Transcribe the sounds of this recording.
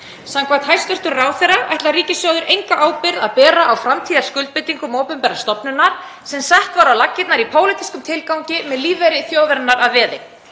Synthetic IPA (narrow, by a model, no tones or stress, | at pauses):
saŋkʰvat̪hajst̪ʏr̥t̪ʏɾraːwθɛraɛht̪lariːcɪsjɔɣðɪɾʔejŋkaʔaːwpɪɾðaðpɛːɾaʔawfɾamt̪ʰiːðaɾ̥skʏlt̪̚pɪt̪iŋkʏmoːwpʏmpɛɾḁst̪ɔpnʏnaɾ̥ | sɛmsaht̪vaɾawlacːɪt̪naɾipʰoːwlɪt̪i̥skʏmt̪ʰɪlkawɲcɪmɛðliːvɛjɾɪθjoːwvɛɾnaɾaðvɛːðɪ